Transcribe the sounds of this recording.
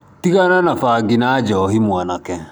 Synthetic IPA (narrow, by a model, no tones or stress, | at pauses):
tiɣananafaːɡinad͡ʑɔɦimwanakɛ